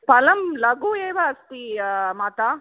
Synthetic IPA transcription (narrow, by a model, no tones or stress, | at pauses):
pɐlɐmlɐɡuːeːʋaɐst̪imaːt̪aː